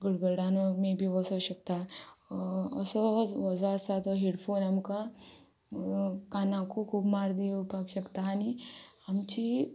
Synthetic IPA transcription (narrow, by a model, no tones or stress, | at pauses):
ɡuɽbɐɽaːnomẽbʱiʋɔsoʃɐk̚t̪a | ɐsɔʋɔsosat̪oɦeɽpʰoːnɐmka | kaːnãkokʰuːbmaːɾd̪iupaɡʃɐkt̪aaniɐmt͡ʃi